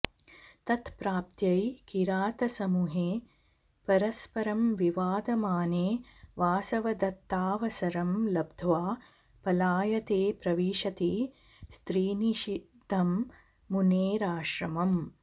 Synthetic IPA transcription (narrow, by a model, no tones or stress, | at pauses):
t̪ɐt̪pɾaːp̚t̪jɐjkiɾaːt̪ɐsɐmuɦeː | pɐɾɐspɐɾɐmʋiʋaːd̪ɐmaːneːʋaːsɐʋɐd̪ɐt̪ːaːʋɐsɐɾɐmlɐbd̪ʱʋaː | pɐlaːjɐt̪eːpɾɐʋiːʃɐt̪iː | st̪ɾiːniʃid̪ʱːɐmː | uneːɾaːʃɾɐmɐm